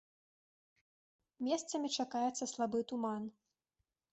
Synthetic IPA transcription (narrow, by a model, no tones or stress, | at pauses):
mʲɛst̪sɐmʲit͡ʂakajɛt̪sɐslˠabɨt̪uman